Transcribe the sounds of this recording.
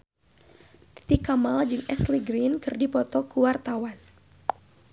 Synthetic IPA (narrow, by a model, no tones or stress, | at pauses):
t̪i̥t̪ikamald͡ʒɨŋɛsliɡɾinkɨrdipɔt̪ɔkuwart̪awan